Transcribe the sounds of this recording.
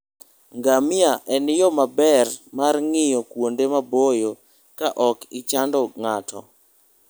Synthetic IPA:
ŋɡamɪaʔɛnjɔmabɛrmarŋɪjɔkwondemabojo | kaʔɔkɪt͡ʃandɔŋatʰɔ̰

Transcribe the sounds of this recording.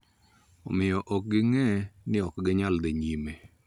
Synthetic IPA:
omɪjɔʔɔk̚ɡɪŋɛnɪɔkɡɪɲald̪eɲime

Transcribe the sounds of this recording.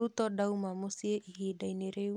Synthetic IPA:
ut̪ɔdaumamosieʔihidaineɾe

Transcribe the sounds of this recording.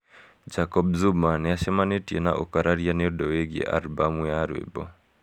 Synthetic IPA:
d͡ʒakɔbzumanɛaʃɛmanetiena̰ʔokaɾaɾianeɔdɔweɡḛʔa̰lbamujaɾwḛbɔ

